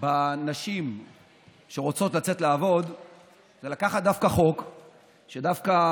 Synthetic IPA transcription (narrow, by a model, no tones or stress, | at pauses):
banaʃim | ʃe̞ʁo̞t͡so̞t̪lat͡se̞t̪laːvo̞d̪ | zelakaχat̪̚dafkaχo̞k | ʃedafka